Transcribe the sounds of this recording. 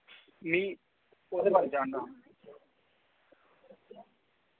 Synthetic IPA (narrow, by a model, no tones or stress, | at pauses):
mĩː | od̪eːbaːɾed͡ʒaːɳd̪aː